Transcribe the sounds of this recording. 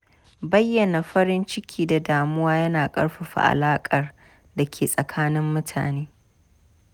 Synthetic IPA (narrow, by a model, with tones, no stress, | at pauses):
bɐ˦jːɐ˨na˨ɸɐ˦ɾɪ˦nt͡ʃɪ˦kʲʰiː˦da˨daː˨mʊ˦waː˦jɐ˦naː˨kʼɐ̰˦ɽɸa˨ɸa̰˨ʔa̰˨laː˦kʼɐ˨r | da˨kʲʰeː˨sʼɐ˨kʰaː˦nɪ˦mːʊ˦tʰa̰ː˨neː˦